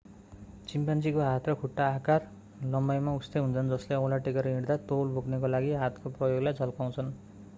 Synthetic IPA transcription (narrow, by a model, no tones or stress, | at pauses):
t͡simpant͡sikoɦat̪rʌkʰuʈːaːkar | lʌmbajmaust̪ejɦunt͡sʰʌnd͡zʌsleʌw̃laʈekʌɾiɽd̪at̪olbʱoknekolaɡiɦat̪koprʌjoɡlajd͡zʌlkaw̃t͡sʰʌn